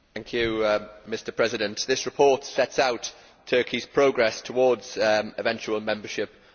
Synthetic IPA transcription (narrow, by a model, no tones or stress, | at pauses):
θæ̃ŋkʰjʉmɪstəpʰɹ̥ɛzɪdə̃nʔðɪsɹɪpʰɔˑtsɛtsaʊtʰ | ɜˑkʰiz̥pʰɹ̥oʊɡɹɛstʰəwɔːdz̥ɪvɛ̃nt͡ʃuəlˠmɛ̃mbəʃɪp̚